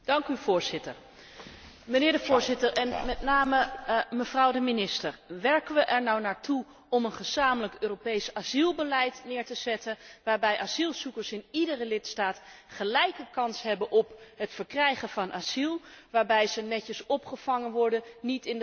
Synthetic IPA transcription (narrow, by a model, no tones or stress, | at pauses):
d̥ɑŋkyv̥ʊːɹzɪtəɹ | mənɪːɹdəvʊːɹzɪtəɹɛnmɛtnaːməməvrʌwdəminɪstəɹʋɛɹkənʋəʔɛɹnɔwnaːɹtu | ɔmənχəz̥aːmələkøːropejsazilˠbəlɛjtnɪːɹtəz̥ɛtənʋaːɹbɛjʔaz̥ilˠzukəɹsɪnidərəlɪtstaːtχəlɛjkəkɑnsɦɛbənʔɔpɦətfəɹkrɛjχəvɑnʔaːz̥ilˠʋaːɹbɛjzənɛcəsɔpχəv̥ɑŋənʋɔɹdənnitɪndə